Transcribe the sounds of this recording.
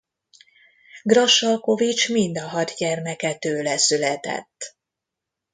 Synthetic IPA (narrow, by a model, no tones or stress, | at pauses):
ɡrɒʃɒlko̞vit͡ʃmind̪ɒɦɒdɟɛrnɛkɛt̪øːlɛsylɛt̪ɛ̰t̪ː